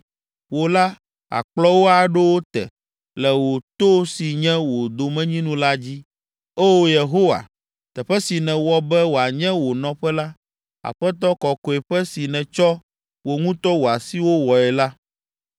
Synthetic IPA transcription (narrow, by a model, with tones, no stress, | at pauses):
wo˨la˦ | a̰˨k͡plɔ˦wo˦a˨ɖe˦wo˦t̪ɛ̰˨ | lɛ˨wo˨t̪o˦si˨ɲɛ̃˦wo˨d̪o˨mɛ̃˦ɲĩ˦nũ˦la˦d͡ʑi˦ | e˦wo˦je˨ɦo˦wa̰˨ | t̪ɛ˨ɸɛ˦si˨nɛ̃˨wɔ˦bɛ˦wo˨a˨ɲɛ̃˦wo˨nɔ̃˦ɸɛ˦la˦ | a̰˨ɸɛ˦t̪̬ɔ˦kɔ˨kɔ˨ɛ˨ɸɛ˦si˨nɛ̃˨t͡ʃɔ˦ | wo˨ŋũ˦t̪ɔ˦wo˨a˨si˦wo˦wɔ˨ɛ˨la˦